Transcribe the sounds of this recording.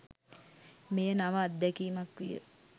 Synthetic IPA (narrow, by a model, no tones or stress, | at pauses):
mejənaʋəːd̪ːɛkiːmakʋijə̰